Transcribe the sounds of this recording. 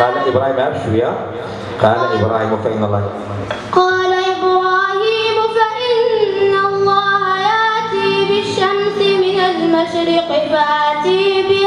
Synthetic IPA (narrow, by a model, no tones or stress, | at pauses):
qɑːlaʔɪbɾˤɑːhiːmhabʃwija | qɑːlaʔɪbɾˤɑːhiːmʊfaʔɪnːɑlːˤɑː | qɑːlaʔɪbɾɑːhiːmʊfaʔɪnːɑlˤːɑːhajaʔt̪iːbɪʃːamsɪmɪnalmaʃɾɪqɪbat̪iːbɪ